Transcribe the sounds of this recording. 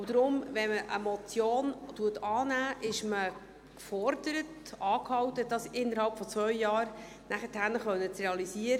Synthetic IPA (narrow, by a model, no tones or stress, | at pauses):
ʊd̥̪ɾʊmʋɛməʔə̰mɔt͡sjoːntuətɑːnæːʔɪʃmə | kfɔɾd̥əɾətɑːkhɑwtəd̥ɑsɪnːəɾhɑlpfɔt͡sʋœɥjɑːɾ | næχəthænəχʋœnːət͡srɛɑlisiəɾə